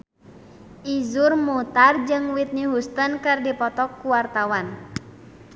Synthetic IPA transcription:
ʔizurmut̪ard͡ʒɨŋwit̪̚niɦust̪ənkɨrdipɔt̪ɔkːuwart̪awan

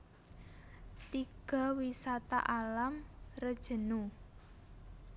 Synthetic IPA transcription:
t̪iɡ̥ɔ̤wisat̪a̰ʔalamrəd̥ʒ̥ə̤nu

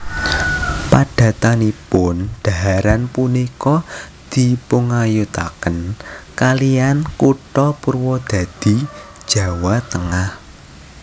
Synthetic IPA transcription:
paɖ̥a̤t̪anipʊnɖ̪̥a̤aɾanpunikɔ | d̪̥i̤puŋajut̪akənkalijankuʈɔpurwɔd̪̥ä̤d̪̥i̤d̥ʒ̥ä̤wat̪əŋah

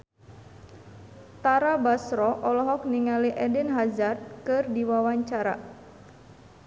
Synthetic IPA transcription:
t̪aɾabasɾɔʔɔlɔɦɔk̚niŋaliʔɛdɪnɦazart̪̚kɨrdiwawaɲt͡ʃaɾa̰

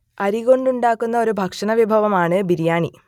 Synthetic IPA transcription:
ɐɾiɣo̞ɳɖuɳɖaːkːunːɐo̞ɾubʱɐkʂɐnɐʋibʱɐʋɐmaːɳɨbiɾjaːɳḭ

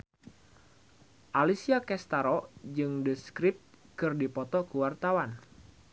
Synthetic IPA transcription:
ʔalisiakɛst̪aɾɔd͡ʒɨŋdəskɾɪp̚t̪̚ | kɨrdipɔt̪ɔkəwart̪awan

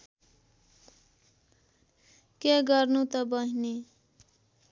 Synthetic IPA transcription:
keɡʌrnut̪ʌbʌɦine

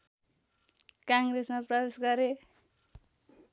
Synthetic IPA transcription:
kaŋɡresmaprʌbesɡʌɾe

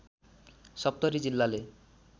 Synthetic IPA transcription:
sɔp̚t̪ɔɾid͡ʑilːale

